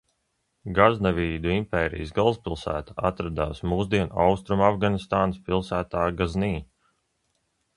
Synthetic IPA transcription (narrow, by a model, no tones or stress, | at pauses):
ɡaznaviːd̪uimpɛːɾḭjsɡalˠspilˠsæ̰ːt̪aat̪ɾad̪aːsmuːzd̪iɛna̰wst̪ɾumafɡanist̪aːnspilˠsæːt̪aːɡazniː